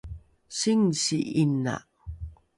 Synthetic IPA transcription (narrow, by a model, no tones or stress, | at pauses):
siŋsiʔina̰ʔ